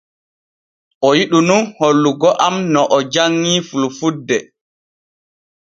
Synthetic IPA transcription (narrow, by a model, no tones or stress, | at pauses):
ʔɔjiɗununholːuɡɔʔamnɔʔɔd͡ʒaŋːiːfulfudːɛ